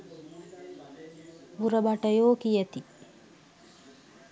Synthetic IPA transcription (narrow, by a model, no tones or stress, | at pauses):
ʋuɾɐbɐʈəjoːkijət̪i